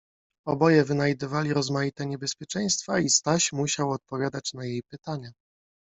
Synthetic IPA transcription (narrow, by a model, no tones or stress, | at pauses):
ɔbɔjɛvɘnajd̪ɘvalʲiɾɔzmajit̪ɛɲɛbɛspʲjɛt͡ʂɛj̃st̪faist̪aɕmuɕawɔt̪̚pɔvʲjad̪at͡ɕnajejpɘt̪aɲa